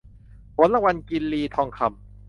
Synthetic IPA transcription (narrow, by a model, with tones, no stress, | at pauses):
pʰo˨˦nla˧˩wa˧nki˧nliː˧t̪ʰɔː˧ŋkʰa˧m